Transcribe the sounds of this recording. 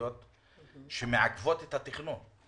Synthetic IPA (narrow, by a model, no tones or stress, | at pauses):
ot̪ | ʃemeʕakvo̞t̪et̪hat̪iχnun